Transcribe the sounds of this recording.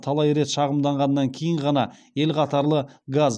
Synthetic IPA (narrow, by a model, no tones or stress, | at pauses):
t̪ʰɑlˠɑjɾe̞t̪ʃɑʁəmd̪ɑɴʁɑnːɑŋkʲʰejɪɴʁɑnɑ | e̞lqʰɑt̪ɑɾlˠəɡaz